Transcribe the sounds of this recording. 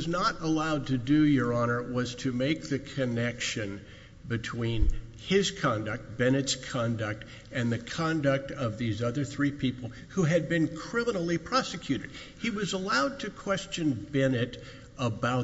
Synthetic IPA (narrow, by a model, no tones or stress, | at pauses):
znəɾəlaʊd̚tʰɨdɨjə˞ɑñə˞wʌz̥tʰɨmeɪk̚ðɨkʰɨnɛkʃɨ̃n | bɨtʰw̥ĩn | ɪz̥kʰɑ̃ndɨk̚t̚b̥ɛnɨtskʰɑ̃ndɨk̚t | ɨ̃nðɨkʰɑ̃ndɨk̚tʌvðizʌðə˞θɹipʰipl̩ˠ | huɨd̚bɨ̃nkʰɹ̥ɪ̃mənl̩ˠipʰɹ̥ɑsɨkʰj̥ʉɾɨd̥̚ | iwʌzəlaʊd̚tʰɨkʰw̥ɛst͡ʃɨ̃nbɛnɨɾ | əbaʊ